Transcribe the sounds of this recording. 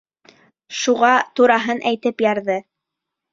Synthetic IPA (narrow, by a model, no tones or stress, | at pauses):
ʃuʁɑt̪uɾɑɦɤnʔæjt̪ɘpjɑɾðɤ